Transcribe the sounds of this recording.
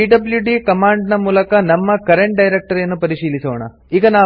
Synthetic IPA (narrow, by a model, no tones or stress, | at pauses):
iːɖɐbljuɖikɐmaːɳɖnɐmuːlɐkɐnɐmːɐkɐɾeɳʈ̚ɖɐjɾek̚ʈɐɾjɐnːupɐɾiʂiːlisuːʋɐɳɐ̰ | iːɡɐnaː